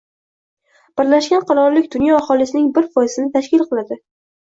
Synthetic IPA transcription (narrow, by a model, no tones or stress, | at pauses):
b̥ɪɾlaʃɡʲanqʰɑɾɒɾlɪkʲd̪ʊnjɒːχɒlˠɪsɪnɪŋbɪɾfʰɒjɪsɪnɪt̪ʰaʃkʲɪlˠqʰɨlˠad̪ɪ